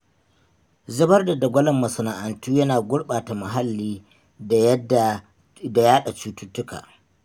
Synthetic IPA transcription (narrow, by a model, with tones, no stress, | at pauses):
zɪ˦bɐ˦rda˨da˨ɡʷɐ˦lɐ˨mːɐ˨sʊ˨naː˨ʔa˨ntuː˦jɐ˦naː˨ɡʷʊ˦ɽɓaː˨ta˨mɐ˨ɦa˦lːiː˦˨˦ | da˨jaː˦ɗa˨t͡ʃuː˦tʊ˦tːʊ˦ka̰ː˨